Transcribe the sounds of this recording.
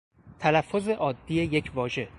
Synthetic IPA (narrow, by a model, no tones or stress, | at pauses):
t̪ʰælæfːoze̞ʔɒːd̪ːije̞je̞cʰvɒːʒe̞